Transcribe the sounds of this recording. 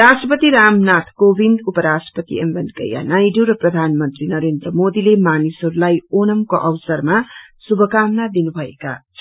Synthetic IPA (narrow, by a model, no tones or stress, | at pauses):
ɾasʈrʌpʌt̪iɾamnat̪ʰkobʱind̪upʌɾasʈʌ̥pʌt̪ḭembʌnkʌ̰ja̰najɖuɾʌprʌd̪ʱanmʌnt̪rinʌɾend̪rʌmod̪ilemanisʌɾulajonʌmkoʔʌwsʌrmasubʱʌkamnad̪inubʱʌḛka̰